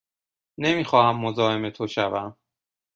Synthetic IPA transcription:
nemiːxɒːhæmːo̞zɒːe̞me̞t̪ʰoʃævæm

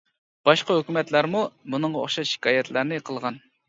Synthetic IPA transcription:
b̥ɑʃqɑɦøkʲymɛt̪læɾmumunɨŋʁɑo̰χʃɑʃi̥kɑːjɛt̪ʰlæɾnɪqʰəlˠʁɑn

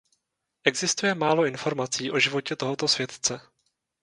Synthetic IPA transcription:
ʔɛɡzɪst̪ujɛmaːlo̞ʔɪnfo̞ɾmat͡siːʔo̞ʒɪvo̞cɛt̪o̞ɦo̞t̪o̞svjɛt̪t͡sɛ

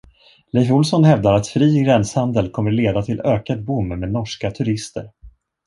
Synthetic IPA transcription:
lɛːvʊlsɔnhɛvd̪aɾat̪fɾiːɡɾɛnshand̪əlkʰɔmːəɾɭeːd̪at̪ʰɪløːkad̪̚bʊmːmeːd̪nɔʂkat̪ʰɵɾɪst̪ə̰ɾ

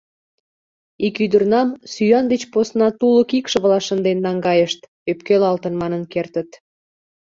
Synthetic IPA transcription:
ikyd̪ərnɑmsyjɑnd̪et͡ɕposnɑt̪uləkikʃə̆βlɑʃə̆nd̪enːɑŋɡɑjəʃt̪ | øpkelɑlt̪ənmɑnənkert̪ət̪

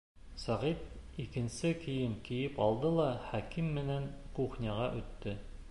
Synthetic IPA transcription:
sæʁit̪ | ikɘ̆nsɘkɘ̆jɘŋkĭjɘpɑlˠd̪ɤlˠɑχækimːɘ̆næŋkuχnʲɑʁɑʔɵ̆t̪ːɘ

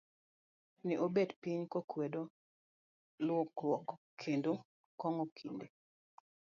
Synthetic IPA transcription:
niʔobedpiɲkokwedo | lʊɔklwɔk | kʰendo | kɔŋɔkʰinde

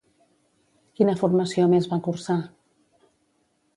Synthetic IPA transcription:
kinəfurməsiomezβakursa

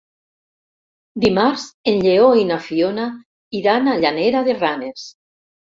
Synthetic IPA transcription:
d̪imaɾzenʎeoinafiona | iðanaʎaneɾaðeranes

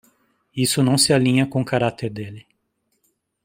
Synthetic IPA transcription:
isʊnɐ̃w̃sɪalĩɲɐkõkaɾat̪eɾd̪elɪ

